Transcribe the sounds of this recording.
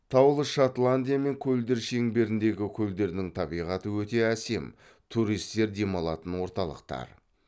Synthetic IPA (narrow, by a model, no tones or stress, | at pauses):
t̪ʰɑwlˠəʃat̪lˠanʲd̪ijame̞ŋkʲʰɵld̪e̞ɾʃe̞ŋbe̞ɾɪnd̪e̞ɡʲɪkʲʰɵld̪e̞ɾɪnɪŋt̪ʰɑbijʁɑt̪əwɵt̪e̞æse̞̰m | t̪ʰuɾijst̪e̞ɾd̪e̞mɑlˠɑt̪ənwo̞ɾt̪ɑlˠə̰qt̪ɑ̰ɾ